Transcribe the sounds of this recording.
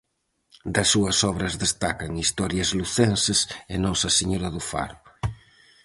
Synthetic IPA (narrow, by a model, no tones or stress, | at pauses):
d̪ɐsːuɐsɔβ̞ɾɐzðest̪akɐŋist̪ɔɾjɐzluθensesenɔsɐseɲoɾɐðufa̰ɾʊ